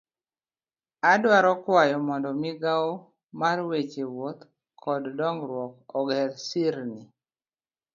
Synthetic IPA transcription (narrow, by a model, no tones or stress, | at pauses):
adwaɾɔkwajɔmɔndɔmɪɡao | marwet͡ʃewot̪ | kʰɔddɔŋɡɾwɔkɔɡɛlsiɾni